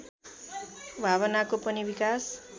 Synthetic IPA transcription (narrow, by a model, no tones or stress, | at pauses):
bʱaβʌnakopʌnibikas